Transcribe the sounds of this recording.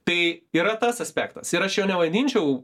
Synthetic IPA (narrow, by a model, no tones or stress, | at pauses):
t̪ɐɪiːɾɐt̪ɐsɐsʲpʲæ̰ːkt̪ɐsɪɾɐʃjoːnʲɛʋɐd̪ʲiːnʲt͡ʃʲɛʊ